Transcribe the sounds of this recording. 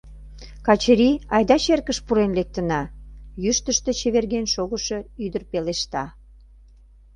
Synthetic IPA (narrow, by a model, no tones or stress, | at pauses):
kɑt͡ɕəɾiɑjd̪ɑt͡ɕerkəʃpuɾenlek̚t̪ənɑjyʃt̪əʃt̪et͡ɕeβerɣenʃoɣəʃɤ̽yd̪ərpeleʃt̪ɑ